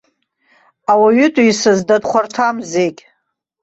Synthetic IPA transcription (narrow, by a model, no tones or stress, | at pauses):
awaɥʏtʼuisɨzdadχʷartʰamzekʲʼ